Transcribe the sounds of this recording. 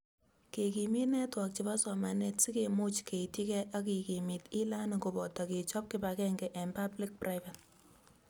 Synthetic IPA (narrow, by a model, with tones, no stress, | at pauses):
ke˨ki˨mi˦tnɛ˦twa˨k̚t͡ʃi˨ba˦sɔ˨ma˨netsi˦ke˨mu˦t͡ʃke˨iti˦kɛ˦ʔa˦ki˨ki˨mi˨ti˦la˦na˨ko˨bɔ˨ta˨ke˨t͡ʃɔ˦p̚kɪba˨kɛ˦ŋɡɛ˨ʔɛ˨mpa˦bli˦k̚prʔa˦jva˨t